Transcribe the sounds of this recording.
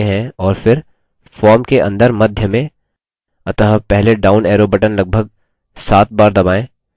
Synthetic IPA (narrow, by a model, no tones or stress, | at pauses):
eɦɛ̃ɔːɾfɪɾ | fɔːɾmkeʔɐ̰̃nd̪əɾmɐd̪ʱjəmẽ | ɐt̪əɦpɛɦleɖaːʊnɛːɾobəʈənlɐɡ̚bʱəɡ̚ | saːt̪̚baːɾd̪ɐbaːẽː